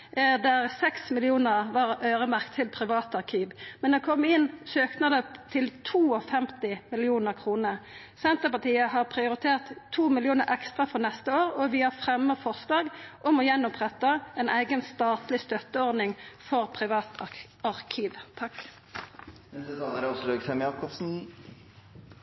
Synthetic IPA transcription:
d̪æʁsɛksmɪlɪuːnəʁʋɑʁøːɾəmæʁkt̪ʰːɪlpʰɾɪʋɑːt̪ɑʁkʰiːʋmɛnɛkʰɔmːɪnːsøːknəd̪ɛpt̪ʰɪlt̪ʰuːɔfɛmt̪ɪmɪlɪuːnəʁkʰʁuːnə | sɛnt̪əpɑt̪iːəɦɑʁpʰʁɪʊɾɪt̪ʰeːʁt̪ʰːuːmɪlɪuːnəɾɛkst̪ʁɑfɔʁnɛst̪əoːʁɔʋɪhɑʁfʁɛmːəfɔʁsd̪ɑːɡʔɔmɔjɛnːɔpʰʁɛt̪ɑɛnʔæɪɡənst̪ɑːt̪lɪst̪œt̪əɔʁd̪nɪŋfɔʁpʰʁɪʋɑːt̪ | ɑʁkʰiːʋt̪ʰɑk | mɛdɛsɑnəɾɛɔsɔløːɡsɛmjɑɾkɔbsn̩

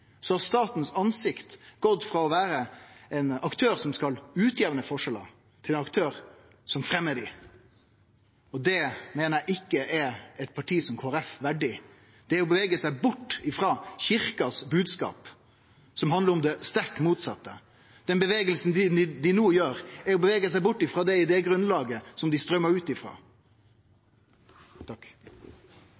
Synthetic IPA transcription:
sɔhɑɾst̪ɑːt̪n̩sɑnsɪkt̪ɡ̥ɔt̪ːfɾɑɔʋæːɾəɛnɑkt̪ʰøːɾsɔmskɑlʉːt̪ʰjeːʋənəfɔʂɛlə̰ | t̪ʰɪlɛnɑk̚t̪ʰøːɾ | sɔmfɾɛmːəɖɪ | ɔd̪ɛmeːnəæʔɪkːəʔɛɛt̪̚pʰɑʈʰiːsɔmkʰoːæɾɛfʋæɖɪ | d̪̥ɛæɾɔbəʋeːɡəsæɪbʊʈːɪfɾɑːçɪɾkɑsbʉːd̪skɑ̰ːp | sɔmɦɑnd̪ləɾɔmd̪ɛst̪æʈːmuːt̪sɑt̪ːə̰ | d̪ɛnbəʋeːɡəlsn̩d̪ɪnuːjøːɾæɾɔbəʋeːɡəsæɪbʊʈːɪfɾɑːd̪ɛɪd̪ɛɡɾʉnlɑːɡəsɔmd̪ɪst̪ɾœmːəɾʉːt̪ɪfɾɑ̰ː | t̪ʰɑk

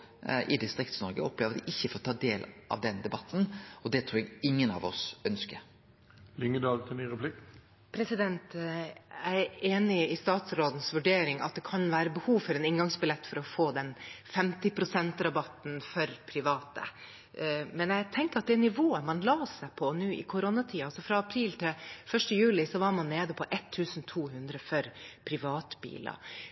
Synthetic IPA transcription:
ʔɪ̰d̪ɪst̪ɾɪkt̪snɔɾɡə̰ɔplɛʋəd̪ʔɪçːəfɔɾɔt̪ʰɑːd̪eːlʔɑ̰ʋd̪ɛnd̪ɛbɑt̪ːn̩ɔd̪ɛt̪ʰɾuːɾɛɡɪŋːənɑ̰ʋɔ̰sœnskəɾ | lʏŋəd̪ɑːlt̪ʰɪlnyːɾɛpʰlɪk | pʰɾɛsɪd̪ɛnt̪ | æɪæɾeːnɪɪst̪ɑːt̪sɾoːd̪n̩sʋʉɖeːɾɪŋɑt̪̚d̪ɛkʰɑnʋæːɾəbəhuːʋfɔɾɛnɪŋɡɑŋsbɪlɛt̪ːfɔɾɔfoːd̪ɛnfɛmt̪ɪpʰɾʊsɛnt̪ɾɑbɑt̪n̩fɔɾpʰɾɪʋɑːt̪ə̰ | mɛnæɪt̪ʰɛŋkəɾɑt̪̚d̪ɛnɪʋoːəmɑnlɑːsæɪpʰɔnʉːɪ̰kʰʊɾɔnɑt̪ʰiːɑɑsɔfɾɑɑpʰɾiːlt̪ʰɪlfœʂʈəjʉːlɪsɔʋɑɾmɑnːeːd̪əpʰɔʔɛt̪ʰːʉːsn̩t̪ʰuːɦʉnd̪ɾəfɔɾpʰɾɪʋɑːt̪bḭːlɑ̰

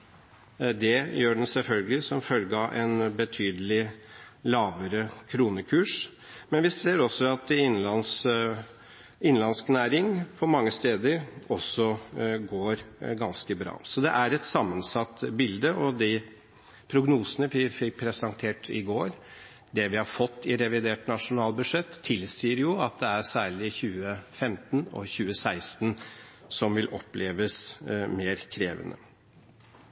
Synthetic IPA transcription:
d̪ɛjøːɖɛn̩sɛlfœlɡəlɪsɔmfœlɡəɑʔɛnbət̪ʰyːd̪əlɪlɑːʋəɾəkʰɾuːnəkʰʉːʂ | mɛnʋɪseːɾɔsːɔɑt̪ɪnːlɑns | ɪnlɑnsknæːɾɪŋpʰɔmɑŋːəst̪eːd̪əɾɔsɔɡoːɾɡɑnskəbɾɑ̰ːsɔd̪ɛʔæɾɛt̪sɑmːənsɑt̪ːbɪld̪əʔɔd̪ɪ | pʰɾʊɡnuːsənəʋɪfɪk̚pʰɾɛsɑnt̪ʰeːʈɪɡoːɾ | d̪ɛʋɪhɑɾfɔt̪ʰːɪɾɛʋɪd̪eːʈnɑʂʊnɑːlbʉd̪ʂɛt̪ʰːɪlsiːəɾjʊɑt̪̚d̪ɛæɾsæːɭɪçʉːəfɛmt̪nɔ̰çʉːəsæɪst̪nsɔmʋɪlʔɔpleːʋəsmeːɾkʰɾeːʋə̰nʔə̰

